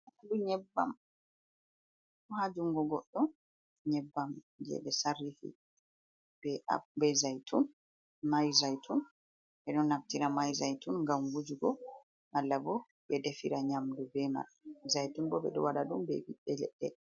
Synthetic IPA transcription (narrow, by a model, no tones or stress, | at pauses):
aaduɲɛbːam | had͡ʒuŋɡɔɡɔɗːɔ | ɲɛbːam | d͡ʒɛ̰ɗɛsarːifḭ | b̥ɛa̰bɛzajtʰun | majzajtʰun | bɛɗɔnːaftiɾamajzajtunɡamɡud͡ʒuɡɔ | ʔalːabɔ | bɛdefiɾaɲamdubɛma̰ɾ | zajtunbɔbɛ̰ɗɔ̰waɗadumbɛ̰wiɗːɛlɛ̰ɗːɛ